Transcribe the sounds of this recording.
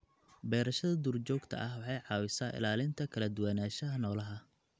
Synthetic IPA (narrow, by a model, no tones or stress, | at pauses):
bɛːɾɐʃɐðɐd̪urt͡ʃɔːɡt̪ʰɐ̰ʔɐhwɑħɑjʕɑːwɪsaːʔɪ̰laːlɪnt̪ʰɐkʰɐlɐd̪ʊwaːnaːʃɐɦɐnɔːlɐɦɐ